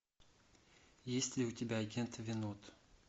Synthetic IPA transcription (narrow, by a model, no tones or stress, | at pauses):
jesʲtʲlʲɪʊtʲɪbʲaːɡʲent̪vʲɪnot̪